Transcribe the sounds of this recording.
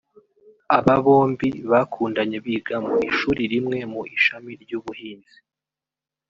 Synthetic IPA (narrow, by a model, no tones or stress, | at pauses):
aβaβo̞ːmbiβakʰuːndaɲe̞βiɡamuiʃuːɾiɾimŋe̞muʔiʃamiɾɟuːβuhiːnzi